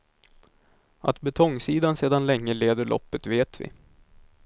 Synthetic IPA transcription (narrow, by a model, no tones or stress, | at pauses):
ʔat̪bɛt̪ʰɔŋːsiːd̪anseːd̪anlɛŋːəleːd̪əɭʔɔ̰pːət̪veːt̪vɪ̰